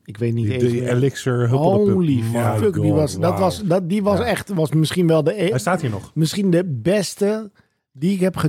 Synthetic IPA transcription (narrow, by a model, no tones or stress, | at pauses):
ɪkʋeːtniɛlɪksəɦoonlifføkdiʋɔsdɔtʋɔsdɔdiʋɔsɛxtʋɔsmɪskinʋɛlˠdəstaːthiːɹnɔxmɪskindəbɛstə | diɪkhɛpχə